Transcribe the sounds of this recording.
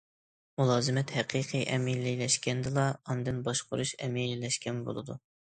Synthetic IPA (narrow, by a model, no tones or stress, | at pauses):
mulˠɑːzɨmɛt̪hɛqʰiqʰiʔɛmililɛʃkʲɛnd̪ɨlˠɑɑnd̪ɨnbɑʃqʰʊ̰ɾuʃɛmililɛʃkʲɛnbo̰lˠɨd̪ṵ